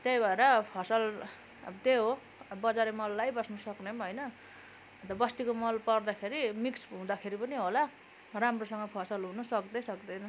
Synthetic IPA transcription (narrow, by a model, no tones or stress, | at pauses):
t̪jʌjbʱaeɾʌpʰʌsʌl | t̪eɦo | bʌd͡zaɾemʌlːajbʌsnʌsʌknemɦʌjnʌ | t̪ʌbʌst̪ikomʌlpʌrd̪akʰeɾimiksɦũd̪akʰeɾipʌniɦola | ramrosʌŋɡʌpʰasʌlɦunʌsʌkd̪ʌsʌkd̪ʌjnʌ